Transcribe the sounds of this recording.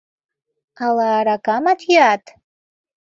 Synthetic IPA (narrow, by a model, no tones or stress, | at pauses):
alaːɾakamat̪ʰjat̪